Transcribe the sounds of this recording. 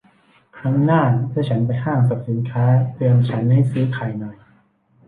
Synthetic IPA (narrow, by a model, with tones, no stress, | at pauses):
kʰɾa˦˥˩ŋnaː˥˩t̪ʰɯː˥˩t͡ɕʰa˦˥npa˧jɦaː˥˩ŋka˨˩p̚si˩˦nkʰaː˦˥t̪ɯ˧mt͡ɕʰa˦˥nɦa˥˩jsɯː˦˥kʰaː˨˩jnɔ˨˩j